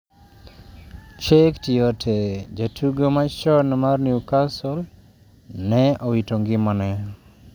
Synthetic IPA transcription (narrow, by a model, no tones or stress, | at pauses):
ʃektiotʰed͡ʒatʰuɡomat͡ʃɔnmarniukasɔl | nɛowitoŋɡɪmɔnɛ